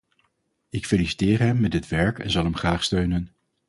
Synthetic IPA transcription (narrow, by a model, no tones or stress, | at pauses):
ɪkfeːlisi̥tɪːrɦɛmːɛdɪtʋɛɹkɛ̰nzɑlˠɦɛmχraːχstøɥnən